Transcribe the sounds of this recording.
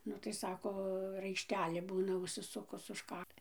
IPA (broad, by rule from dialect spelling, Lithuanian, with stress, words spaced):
ˈnʊ tɐɪ ˈsɑːkoː rɐɪʃʲˈtʲæːlʲeː ˈbuːnɐ ʊʃʲsʲɪˈsʊkʊs ʊʃ ˈkɐk